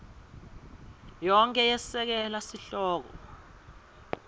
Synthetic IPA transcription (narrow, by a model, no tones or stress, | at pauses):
jɔŋkʼɛjɛsɛk̬ɛlasiɬɔːk̬ɔ̰